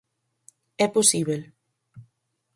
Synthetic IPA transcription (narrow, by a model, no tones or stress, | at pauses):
ɛposiβel